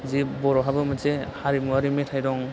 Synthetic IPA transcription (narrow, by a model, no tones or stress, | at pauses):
zibɔɾɔɦabɯmasehaɾimuaɾimetʰajdɔŋ